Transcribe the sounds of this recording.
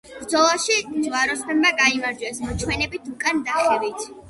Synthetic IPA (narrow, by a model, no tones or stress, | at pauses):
b̥ɾd̪zɔlˠaʃizwaɾɔspɛmmːaɡaimaɾd͡ʒwɛsmɔt͡ʃʰwɛnɛbit̪ʰukʼand̪aχɛvit̪ʰ